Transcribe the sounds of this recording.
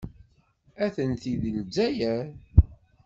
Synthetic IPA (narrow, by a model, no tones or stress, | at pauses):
æθənθiðənd͡zːæjæɾ